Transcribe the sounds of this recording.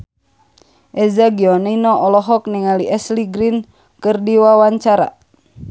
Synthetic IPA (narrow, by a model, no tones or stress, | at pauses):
ʔɛzaɡiɔniinɔʔɔlɔɦɔk̚niŋaliʔɛsliɡɾin | kɨrdiwawaɲt͡ʃaɾa̰